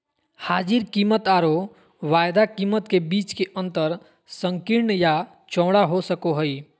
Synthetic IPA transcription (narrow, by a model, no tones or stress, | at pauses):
haːd͡ʒiɾkiːmət̪aːɾo | ʋaːjd̪akiːmət̪kebiːt͡ʃkeʔə̃nt̪əɾ | sə̃ŋkiɾɳja | t͡ʃɔ̃ːɽaɦosəkoɦəi